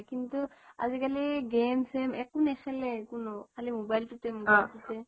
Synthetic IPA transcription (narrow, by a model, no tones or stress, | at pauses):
kintua̰zikaliɡemsɛmɛkunɛxɛlɛkunɔkʰalimobajltutɛmɡasitɛ